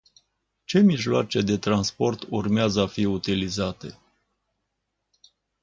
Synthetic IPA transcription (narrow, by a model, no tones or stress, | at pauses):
t͡ʃe̞miʒloat͡ʃe̞d̪e̞t̪ɾanspo̞rt̪urmeazəafiut̪ilizat̪e̞̰